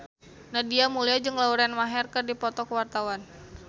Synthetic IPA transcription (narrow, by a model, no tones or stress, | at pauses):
nadiamuliad͡ʒɨŋlauɾanmaɦɛrkɨrdipɔt̪ɔkəwart̪awan